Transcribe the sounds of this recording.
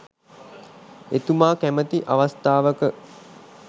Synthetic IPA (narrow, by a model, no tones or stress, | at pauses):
et̪umaːkæmət̪iʔaʋast̪aːʋəkə